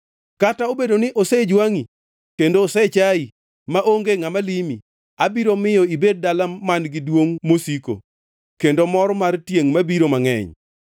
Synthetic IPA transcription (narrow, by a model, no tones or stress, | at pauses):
kataobedonɪʔosed͡ʒwaŋi | kendoːset͡ʃai | maʔoŋɡeŋamalimi | abiɾomɪjɔibed̚dalamanɡɪdwoŋmosiko̰ | kendomɔɾmartjeŋmabiɾomaŋɛ̰ɲ